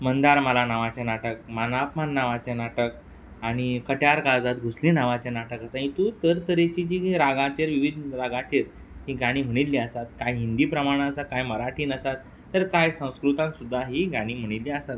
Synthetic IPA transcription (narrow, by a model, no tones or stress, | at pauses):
mənd̪aɾməlanaʋat͡ɕjanaʈək̚manapmanːaʋat͡ɕanaʈək | aɽ̃ikəʈjaɾkad͡zat̪ɡʱuslĩnaʋat͡ɕjanaʈəkəsãĩt̪ut̪əɾt̪əɾet͡ɕid͡ʑiɾaɡat͡ɕeɾʋiʋid̪ɾaɡat͡ɕeɾ | ɦiɡaɽ̃iːm̤əɽ̃it̪lːiəsat̪̚kajɦind̪iːpɾəmaɽ̃ãəsat̪̚kajməɾaʈʰiːnəsat̪ːəɾkajsə̃w̃skɾut̪ãnsud̪ʱːaɦiːɡaɽ̃iːm̤əɽ̃ilːiəsat̪